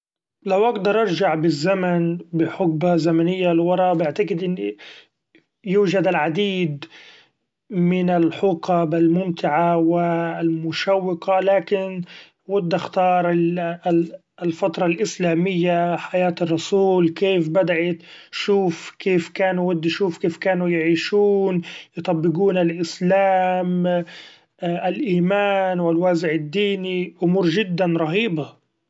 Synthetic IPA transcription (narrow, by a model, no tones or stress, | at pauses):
lawʔɑɡd̪ɑɾˤʔɑɾˤʒaʕbɪzːamanbɪħʊɡ̚bazamanɪjːalwɑɾˤɑbɪʕt̪aɡɪd̪ʔɪnːi | juːʒad̪ɪlʕad̪iːd̪ | mɪnɪlħuːqabɪlmʊmt̪ɪʕawɪlmʊʃawːɪqalaːkɪn | wʊd̪ːaxt̪ɑːɾˤ | lfat̪ɾˤɑlʔɪslaːmɪjːaħajaːt̪ɪrˤːʊsuːlkeːfbad̪aʕɪt̪ʃuːfkeːfkaːnuwɪd̪ːʃuːfkeːfkaːnujɪʕiːʃuːnjɪt̪ˤɑbːɪɡuːnalʔɪslaːm | ʔɪlʔiːmaːnwɪlwaːzɪʕɪd̪ːiːniʔʊmuːɾʒɪd̪ːanɾˤɑɦiːba